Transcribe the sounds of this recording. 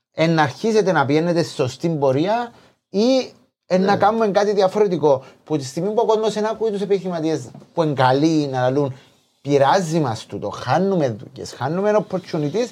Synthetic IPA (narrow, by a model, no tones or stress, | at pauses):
e̞nːɐɾçise̞t̪e̞nɐpienːet̪esi̥so̞st̪imbo̞ɾiɐ | i | enːɐkanume̞ŋkat̪iðiɐfo̞ɾe̞t̪iko̞put̪ist̪imimbuakozmosenɐkuit̪use̞piθimɐt̪iezpue̞ŋɡɐlinɐlun | piɾazːimɐst̪ut̪oxanːumenðṵcḛsxanːume̞nopːɾot͡ʃʰːunit̪is